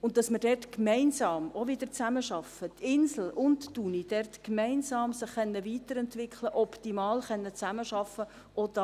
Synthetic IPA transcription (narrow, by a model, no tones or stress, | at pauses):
ʊnt̚dɑsməɾdɛrtkmɛɪnsɑːmovɪdəɾt͡sæməʃɑfətʰɪnsl̩ʊntːunid̥ɛrtkmɛɪnsɑːmsɪχːɛnːəviːtəɾɛntʋɪkχləʔɔptimɑːlχɛnːət͡sæməʃɑfə | ʔɔdɑ